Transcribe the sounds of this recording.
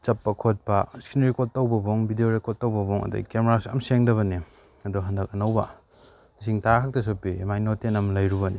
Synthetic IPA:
t͡ʃɐpːɐkʰot̚pɐskinɾekotːawbɐboŋbidioɾekotːawbɐboŋɐ̰dṵkemeɾasɐ̰mseŋdɐβɐni | ɐduɦɐndɐk̚ɐnɐwbɐ̰ | is̬iŋtakʰak̚tɐs̬opːimajnotenɐmlɐjɾubɐni

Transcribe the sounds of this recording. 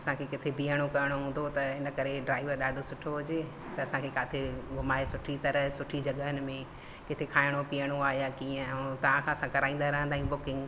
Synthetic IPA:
ɐsãkʰekɪt̪ʰebiːəɽ̃okɐɾəɽ̃oɦũːnd̪ot̪ɐɦɪnə̆kɐɾeɖɾaːɪʋəɾɗaːɖʱosʊʈʰoɦʊd͡ʑeː | t̪ɐɐsãkʰekaːt̪ʰeɡʱʊmaːesʊʈʰit̪ɐɾəɦsʊʈʰid͡ʑɐɠəɦənɪ̆mẽ | kɪt̪ʰekʰaːɪɽ̃opiːəɽ̃oaːɦjakiːə̃t̪ɐʋ̤ãkʰãːɐsãkɐɾaːĩnd̪aɾɐɦə̃nd̪aːijũbʊkɪ̃ŋɡ

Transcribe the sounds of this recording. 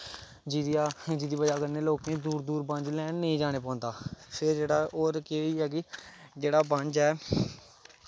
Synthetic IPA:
d͡ʒid̪jaːd͡ʒiːd̪iːbəd͡ʒaːkəneːloːkẽːd̪uːɾd̪uːɾbə̃nd͡ʒlɛːnːəĩːd͡ʒaːɽ̃eːpɔ̃ːnd̪aːfʰɪd͡ʒeːɽaːoːɾkeiːɦɛːɡiːd͡ʒeːɽaːbə̃ɲd͡ʒɛː

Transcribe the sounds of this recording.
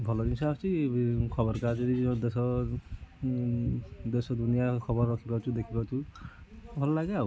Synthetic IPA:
bʱɔlɔdinsʰat͡ʃikʰɔbɔɾkad͡ʒɔnid̪esɔ | d̪esɔd̪unijakʰɔbɔrːɔkʰibat͡ʃʰud̪ekʰibat͡ʃʰu | bʱɔlɔlaɡaw

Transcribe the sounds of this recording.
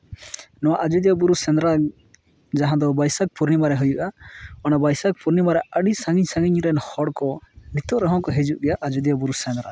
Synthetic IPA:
nɔwaʔad͡ʒud̪ijabuɾusɛnd̪ɾa | d͡ʒaɦãd̪ɔbajsak̚puɾnimaɾɛɦujuʔaɔnabajsak̚puɾnimaɾɛʔəɽisaŋiɲsaŋiɲɾɛnhɔɽkɔnit̪ɔʔɾɔɦɔ̃kɔɦed͡ʒuʔɡɛjaʔad͡ʒud̪ijabuɾusɛnd̪ɾa̰

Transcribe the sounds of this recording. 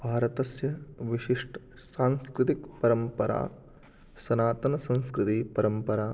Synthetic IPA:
bʱaːɾɐt̪ɐsjɐʋiʃiʂʈɐ | saːnskɾɪt̪ikpɐɾɐmpɐɾa̰ː | sɐnaːt̪ɐnɐsɐ̃nskɾɪt̪ipɐɾɐmpɐɾaː

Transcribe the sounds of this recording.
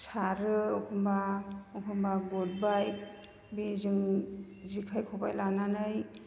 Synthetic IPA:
saɾɯɔkʰɔmbaɔkʰɔmbaɡɔd̚baj | bezɯŋ | zikʰajkʰɔbajlananɯj

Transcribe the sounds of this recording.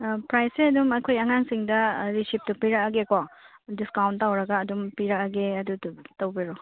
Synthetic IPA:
pɾajseɐdumɐkʰojɐŋaŋsiŋdɐɾisip̚tupiɾɐɐɡeko | diskawntːawɾɐɡɐːdumpiɾɐkɐɡeɐdututɐwbiɾo

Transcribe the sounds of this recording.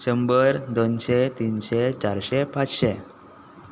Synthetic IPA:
ɕəmbəɾd̪onɕet̪inɕet͡ɕaɾɕepat͡sɕe

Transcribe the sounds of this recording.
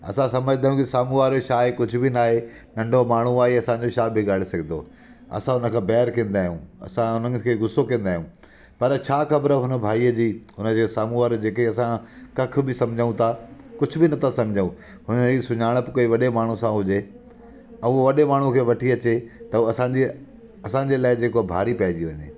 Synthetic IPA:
ɐ̰sãsɐməd͡ʑʱɪd̪aːjũkisaːmuʋaːɾoʃaːɦekʊd͡ʑʱʊbɪnaːɦe | nɐ̃ɳɖʱomaːɳ̤uaːɦeɐsãːɲ̆d͡ʑoʃaːbɪɡaːɽesɐɡʱɪ̃nd̪o̰ː | ɐ̰sãɦʊnə̆kʰãːbɛːəɾkẽːn̆d̪aːɦijṵ̃ːɐ̰sãʊnəɪ̆kʰeːɡʊsokɐ̃ːnd̪aːɦjũː | pɐɾt͡ɕʰaːxɐbəɾəɦʊnə̆bʱaːiːəd͡ʑiːɦʊnə̆d͡ʑesaːmuʋaɾd͡ʑeːkːɐsãkɐk̆ʰbɪsɐ̃md͡ʑʱəũt̪ʰakʊd͡ʑʱʊ̆bɪnɐt̪ʰasɐ̃md͡ʑʱəũ | ɦʊnɦiːsʊɲaːɽ̃əpɪkoiʋɐɗemaːɳ̤ũsãɦʊd͡ʑe | ɐũʋɐɗemaːɳ̤ũkʰeːʋɐʈʰiɐt͡ɕet̪ɐuɐsãɲd͡ʑi | ɐsãɲd͡ʑeːlaːɪd͡ʑeːkobʱaːɾipɐɦɪd͡ʑiʋɐɲḛː

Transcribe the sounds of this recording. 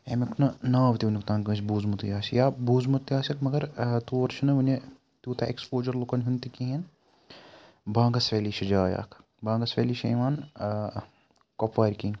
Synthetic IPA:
emekunɐnaːʋt̪iʋnuk̚t̪ãːnkɐt͡ʃbuːzmut̪jaːsijaːbuːzmɐt̪jaːsɐkmɐɡɐɾt̪uːʋɐɾʃɐnɐʋune | t̪uːt̪ʰɐʔekspoːd͡ʒɐɾlukɐnɦunt̪ikiɦen | bãːŋɡɐsʋʲeːliʃɐd͡ʒaːja̰ːkʰ | bãːŋɡɐsʋḛːliʃɐ̰ːjʋaːn | kopʰʋaːɾʲkiːn

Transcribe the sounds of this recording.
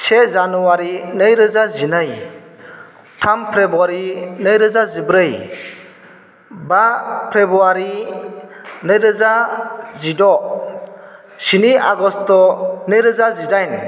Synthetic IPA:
sezanuwaɾinɯjɾɯzazinɯj | tʰampʰɾebuaɾinɯjɾɯzazibɾɯj | bapʰɾebuaɾi | nɯjɾɯzazidɔ | siniaɡɔstɔnɯjɾɯzazidajn

